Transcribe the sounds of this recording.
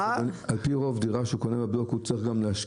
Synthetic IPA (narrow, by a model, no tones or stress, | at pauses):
nalpiʁo̞vdiʁaʃeukonemablokut͡sʁiχɡamleaʃ